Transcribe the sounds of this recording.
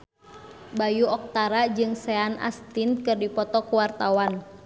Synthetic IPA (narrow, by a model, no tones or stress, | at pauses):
bajuɔk̚t̪aɾad͡ʒɨŋsɛana̰st̪inkɨrdipɔt̪ɔkuwart̪awan